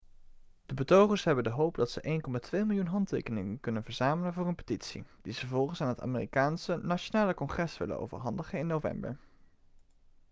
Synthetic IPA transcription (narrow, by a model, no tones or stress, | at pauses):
d̥əbətowχəɹsɦɛbəndəɦowpdɑtsəʔejnkɔmaːtʋejmɪlˠjunɦɑntḛjkənɪŋənkɵnənvəɹzaːmələnvʊːɹənpə̥titsḭd̥iz̥əvɔlˠχənsaːnɦəta̰ːmeːrikaːnsənat͡ʃonaːləkɔŋχrɛsʋɪ̰lə̰no̰wvə̰ɹɦɑndəχənɪnːowvɛ̰mbə̰ɹ